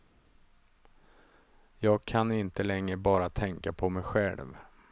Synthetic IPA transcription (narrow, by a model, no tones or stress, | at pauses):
jɑːɡ̚kʰanɪnt̪əlɛŋːɾəbɑːɾat̪ʰɛŋkapʰɔmɛjɧɛ̰lv